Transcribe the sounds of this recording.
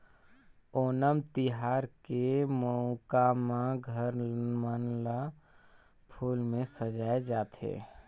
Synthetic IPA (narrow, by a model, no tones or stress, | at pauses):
oːnəmt̪iɦaːɾkemɔʊkamaɡʱəɾmənla | pʰuːlmẽsəd͡ʒaːed͡ʒaːt̪ɦḛ